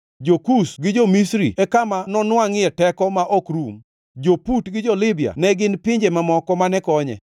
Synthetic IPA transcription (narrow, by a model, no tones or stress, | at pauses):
d͡ʒokusɡɪd͡ʒomisɾiɛkamanɔnwaŋɛtɛkɔmaʔɔkɾum | d͡ʒoputɡɪd͡ʒɔlɪbia̰nɛɡɪnpɪɲd͡ʒemamɔkɔmanɛkɔɲɛ̰